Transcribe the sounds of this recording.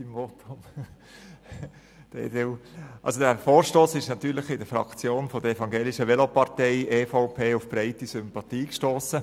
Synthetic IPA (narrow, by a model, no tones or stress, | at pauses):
imvɔtʊm | d̪̥ḛdewʔɑ̰lsodæfoːɾʃtoːsɪʃnɑt̪yːɾləχɪdəfɾɑ̰kt͡sjoːnfɔdəɛfɑŋɡeːlɪʃəʋɛlopɑɾteɪʔeːfoʊpʰeːʊfb̥ɾɛɪtisʏmpɑt̪iːkʃtoːsə